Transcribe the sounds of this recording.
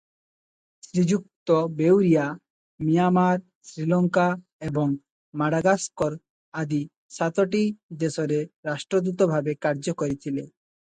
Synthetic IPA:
sɾid͡ʑuk̚t̪obewɾija | mijamaɾ | sɾilɔŋka | eboŋ | maɽaɡaskoɾ | ad̪i | ʃat̪oʈid̪esoɾeɾaʃʈɾod̪ut̪obʱabekaɾd͡ʑokoɾit̪ʰilḛ

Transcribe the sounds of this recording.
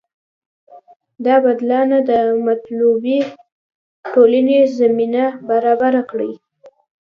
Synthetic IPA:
d̪ɑbad̪lɑnad̪əmat̪lubi | ʈolanezaminabaɾɑbaɾakɽi

